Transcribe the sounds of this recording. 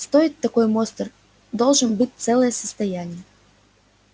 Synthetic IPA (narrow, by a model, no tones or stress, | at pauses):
st̪ɔjitʲt̪ɐkɔjmɔst̪ɨr | d̪ɔlˠʒɨnbɨtʲt̪sɛlˠɛjɛsɐ̥st̪ɐjanʲːɐ